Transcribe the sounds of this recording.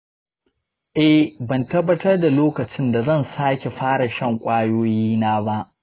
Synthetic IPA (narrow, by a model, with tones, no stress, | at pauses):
ʔɛ˦hbɐ˨ntɐ˦bːɐ˦tɐ˦rda˨loː˦kɐ˨t͡ʃɪ˦nda˨zɐ˦˨nsaː˦kʲe˨ɸaː˦ɽa˨ʃɐ˦˨ŋkʷʼaː˦joː˦jiː˦naː˦ba˦ʔ